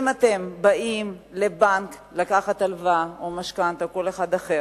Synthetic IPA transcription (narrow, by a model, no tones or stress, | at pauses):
mat̪e̞mbaimle̞bank | lakaχat̪alvaomaʃkant̪ako̞le̞χad̪aχe